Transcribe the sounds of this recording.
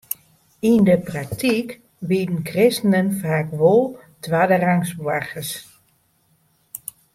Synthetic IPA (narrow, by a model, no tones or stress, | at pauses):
indəprak̚tʰik | ʋidn̩krɪstənənfaːkʋolˠ | tʰʋaːdəraŋsbwaxəs